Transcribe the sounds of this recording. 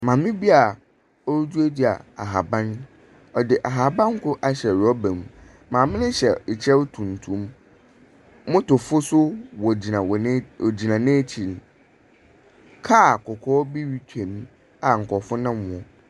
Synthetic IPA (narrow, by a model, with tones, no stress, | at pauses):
mã˨mɪ̃˦bi˦a˨ | ɔ˦ɾd͡ʑu˦e˦di˦a̰˨a̰˨ɦa˨bã˦n | ɔ˨dɪ˨ʔa˨ɦa˨bã˦ŋ̩˦kʊ˦ʔa˨ɕɛ˨ɾɔ˦bɛ̃˨m˨ | mãː˨mɪ̃˦nɪ̃˦ɕɛ˨t͡ɕʰɛ˦wtʰũ˨n˨tʰũ˦m | mʊ̃˦tʊ˨fʊ˦sʊ˦wɔ˨d͡ʑi˨nã˨wɔ˨n˦˨d͡ʑi˨nã˨nẽ˦t͡ɕʰi˨n˨ | kʰa˦˨kʰɔ˨kʰɔː˦bi˦ɥi˦tʰɛ̃˨ñ˦ | a˨ŋ̩˨kʰɔ˨fʊ˦nã˦mːʊ̃˨ɔ˨